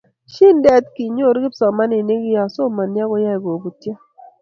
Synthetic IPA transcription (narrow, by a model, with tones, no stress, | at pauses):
ʃi˦ndɛ˦tki˨ɲo˦˨ɾɡɪ˦psɔ˨ma˦ne˨ne˦ɡi˦ja˨so˦˨ma˨nja˦ko˦ja˦i˨ɡo˨bu˨tja˦